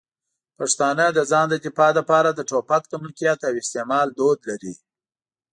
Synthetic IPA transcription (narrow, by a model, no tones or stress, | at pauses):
paʂt̪ɑnəd̪əzɑnd̪əd̪ɪpɑləpɑɾad̪əʈopak̚d̪əmʊlkijɑt̪awɪst̪emɑld̪od̪laɾḭ